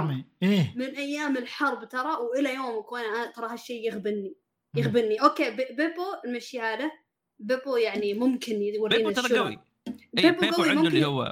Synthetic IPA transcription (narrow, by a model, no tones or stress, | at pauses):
miemɪnʔajːaːmɪlħɑɾˤbt̪ɑɾˤɑwʔɪlajoːmakuːnʔat̪ɑɾˤɑɦaʃːeːɪɣbɪnːi | jɪɣbɪnːiʔoːkeːbɪbɪpoɪlmaʃjaːla | bɪbojaʕnimʊmkɪnɪwaɾiːnaˤowḭ | beboɡawwimʊmkʊw̰ː